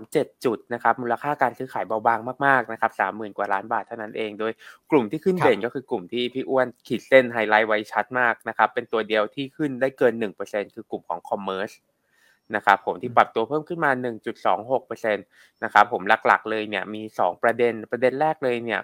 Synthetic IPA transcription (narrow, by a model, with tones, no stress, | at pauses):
mt͡ɕe˨˩t̪̚t͡ɕu˨˩t̪̚na˦˥kʰa˦˥p̚muː˧la˧kʰaː˥˩kaː˧nsɯː˦˥xʰaː˩˦jba˧wbaː˧ŋmaː˥˩k̚maː˥˩k̚na˦˥kʰa˦˥p̚sa̰ː˩˦mːɯː˨˩nkwaː˨˩laː˦˥nbaː˨˩t̪ʰːa˥˩wna˦˥nʔeː˧ŋdoː˧jklu˨˩mt̪ʰiː˥˩kʰɯ˥˩ndeː˨˩nkɔː˥˩ɯː˧klu˨˩mt̪ʰiː˥˩pʰi˦˥ʔu˦˥˩ənkʰiː˩se˦˥˩nɦa˧jla˦˥jwa˦˧˥jt͡ɕʰa˦˥t̪̚maː˥˩k̚na˦˥kʰa˦˥pːe˧nt̪u˧ɐdi˧əwt̪ʰiː˥˩kʰɯ˥˩ndaː˥˩jkɤː˧nːɯ˨˩ŋpɤː˧se˧nkʰɯː˧ku˨˩mkʰɔ̰ː˩˦ŋkʰɔ˧mːɤː˦˥s | na˦˥kʰa˦˥pʰːo˩˦mt̪ʰiː˥˩pɾa˨˩p̚t̪u˧ɐpʰɤː˥˩mkʰɯ˥˩nmaː˧nɯ˨˩ŋt͡ɕu˨˩t̪̚sɔ̰ː˩˦ŋɦo˨˩k̚pɤː˧se˧n | na˦˥kʰa˦˥pʰːo˩˦mla˧˩k̚la̰˨˩k̚lɤː˧jni˥˩ɐmiː˧sɔː˩˦ŋpɾa˧de˧npɾa˧de˧nlɛː˥˩k̚lɤː˧jni˥˩ɐ